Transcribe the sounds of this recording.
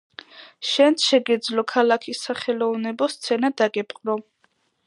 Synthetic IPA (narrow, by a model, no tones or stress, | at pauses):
ʃɛnt̪ʃɛɡɛd̪zlɔkʰalakʰisːaχɛlɔvnɛbɔst̪sʰɛnad̪aɡɛpʼqʼɾɔ